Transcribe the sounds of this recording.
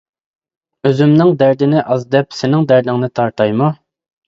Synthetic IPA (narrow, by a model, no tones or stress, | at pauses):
øzymnɪŋd̪æɾd̪ɪnɪʔɑzd̪ɛpsɪnɪŋd̪æɾd̪ɪŋnɪt̪ʰɑɾt̪ʰɑjmu